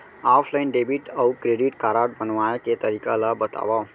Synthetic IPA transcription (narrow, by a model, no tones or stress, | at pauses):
afʰlainɖebiʈawkɾeɖiʈkaɾaʈ̚bənʋajket̪əɾikalabət̪a̰ʋa